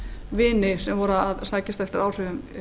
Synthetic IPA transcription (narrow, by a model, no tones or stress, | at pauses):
vɪːnɪsɛmvɔːɾaaðsaːcɪst̪aɛft̪ɪɾaːwr̥ʏːvʏm